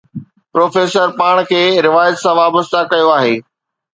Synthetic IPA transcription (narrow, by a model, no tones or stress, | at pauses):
pɾoːfeːsəɾpaːɽ̃kʰeːɾɪʋaːjət̪sãʋaːbəst̪akɐjoaːɦeː